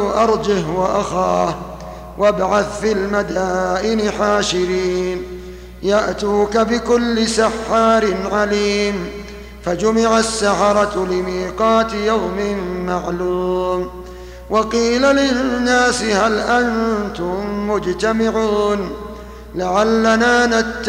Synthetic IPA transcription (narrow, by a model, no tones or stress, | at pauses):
ʔɑɾˤd͡ʒɪhwaʔaxaːh | wʔabʕaθfilmad̪aːʔɪnɪħaːʃɪɾiːn | jaʔt̪uːkabɪkʊlːɪsaħːɑːɾɪnʕaliːm | fad͡ʒʊmɪʕasːaħɑɾˤɑlɪmiːqɑːt̪ɪjawmɪmmaʕluːm | wʔɑqiːlalɪnːaːsɪhalʔant̪ʊmːʊd͡ʒt̪amɪʕuːn | laʕalːanaːnat̪ː